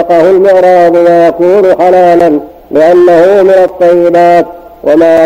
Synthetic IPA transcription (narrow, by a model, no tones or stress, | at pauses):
qɑhʊlmɪʕɾɑːd̪ʊwajakuːnʊħalaːlan | lɪʔanːahʊmɪnat̪ˤːɑjːɪbaːt̪ | wamaː